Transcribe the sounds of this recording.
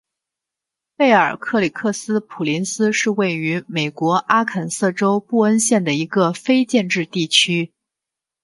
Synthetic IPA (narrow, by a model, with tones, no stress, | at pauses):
pe˥˩ɪə˞˨˩kʰɤ˥˩li˨˩kʰɤ˥˩sɹ̩˥pʰu˨˩li˧˥nsɹ̩˥ʂɻ̩˥˧we˥˩ɪy˧˥me˨˩ɪkwɔ˧˥ʔa˥kʰə˨˩nsɤ˥˩ʈ͡ʂo˥ʊpu˥˩ə˥nɕjɛ˥˩nd̪ə˩i˧˥ɡə˧fe˥ɪt͡ɕjɛ˥˧nʈ͡ʂɻ̩˥˧t̪i˥˩t͡ɕʰy˥